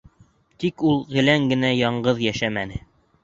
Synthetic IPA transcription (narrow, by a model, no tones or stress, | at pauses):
t̪ikulˠʁɘ̆læŋɡɘ̆næjɑɴɢɤðjæʃæmænɘ